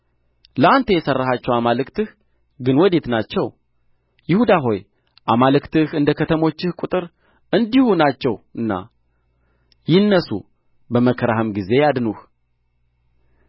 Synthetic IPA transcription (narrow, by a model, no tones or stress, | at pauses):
ləant̪ʰəjɛsərːahat͡ʃːɛwamalɨkt̪ʰɨh | ɡɨnwɔd̪e̞t̪nat͡ʃːɛw | jɪhud̪aɦo̞j | ʔamalɨkt̪ɨhɨnd̪əkʰət̪ʰəmo̞t͡ʃːɪhkʼut̪ʼɨɾ | ɨnd̪ihunat͡ʃːɛwɨnːa̰ | jɪnːəsṵ | bəməkʰəɾaɦəmɡize̞jad̪nuh